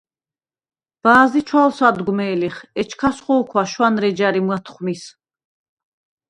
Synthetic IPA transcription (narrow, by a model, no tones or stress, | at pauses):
b̥aːzit͡ʃʰwalsad̪ɡmɛːliχɛt͡ʃʰkʰasχɔːkʰwaʃwanɾɛd͡ʒaɾimwat̪ʰχmis